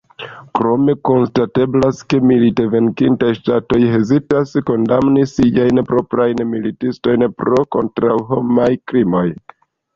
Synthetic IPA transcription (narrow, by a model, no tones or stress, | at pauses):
kɾo̞me̞ko̞nstate̞blaske̞milite̞ve̞ŋkintajʃtato̞jɦe̞zitasko̞ndamnisiajnpɾo̞pɾajnmilitisto̞jnpɾo̞ko̞̰ntɾawɦo̞majkɾimo̞j